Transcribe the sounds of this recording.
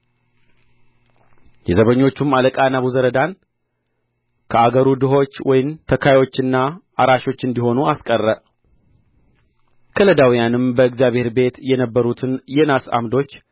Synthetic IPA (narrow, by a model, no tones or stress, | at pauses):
jɛzəβəɲːo̞t͡ʃːumaləkʼanaβuzəɾəd̪an | kʰəaɡəɾud̪ɨɦo̞t͡ʃːwɔjɪmt̪ʰəkʰajo̞t͡ʃːɨnːa | aɾaʃo̞t͡ʃːɨnd̪iɦo̞nuaskʼərːəʔ | kʰələd̪awijanɨmbəɨkzjaβhe̞ɾbe̞t̪jɛnəbːəɾut̪ʰɨnjɛnasa̰md̪o̞t͡ʃː